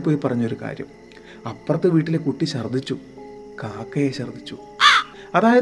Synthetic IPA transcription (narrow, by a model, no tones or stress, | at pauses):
pːo̞ːjipɐrɐɲːuo̞ɾuka̰ːɾjɐ̰m | ɐpːrɐt̪ːɨʋiːʈːilekuʈːiɕɐrd̪ʱːit͡ɕːu | kaːkːɐjeɕɐrd̪ʱit͡ɕːu | ɐðaːjɐ